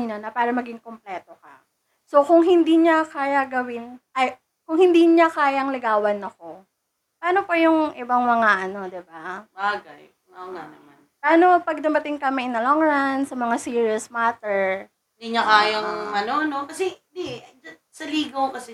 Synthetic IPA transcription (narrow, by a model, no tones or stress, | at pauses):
inɐnɐpaːɾɐmɐɡɪŋkomplɛːt̪o̞kɐ̰ | so̞kʊŋɦɪnd̪iɲɐkaːjɐɡɐwɪnʔɐj | kʊŋhɪnd̪iːɲakaːjɐŋlɪɡaːwɐnɐko | paːno̞pɐjʊŋʔɪbaŋmɐŋaʔɐno̞d̪ɪbabaːɡɐj | ʔoːŋa̰nɐmanpaːnopɐɡ̚d̪ɐmɐt̪ɪŋkɐmɐʔɪnd̪ɐloŋɹand̪sɐmɐŋasiːɹiosmaːt̪ɛɹ | ɪd̪iɲɐkaːjɐŋɐnonokɐsɛd̪id͡ʒɐsɐliːɡokɐsɛ